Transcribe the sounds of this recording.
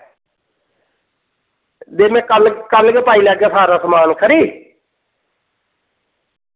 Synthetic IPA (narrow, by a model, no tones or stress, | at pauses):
d̪eːmɛ̃ːkəlkəlɡepaːilaːɡjaːsaːɾaːsəmaːnkʰəɾiː